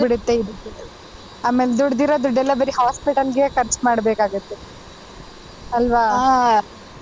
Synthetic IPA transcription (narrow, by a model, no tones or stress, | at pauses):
iɽut̪ːeid̪u | aːmeːled̪uɽd̪iːɾoːd̪uɖɛlːɐbɐɾiɦaːspiʈɐlɡekɐɾt͡ʃmaːɽbeːkaːɡut̪ːe | ɐlʋaː